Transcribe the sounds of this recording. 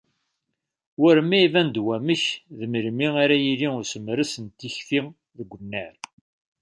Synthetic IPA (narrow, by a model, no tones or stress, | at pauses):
wʊɾmæivænd̪wæməçðəməɾmiaɾæjiliʊɾsəmɾəsənt̪ːiçfi | ðəɡʷːənːæɾ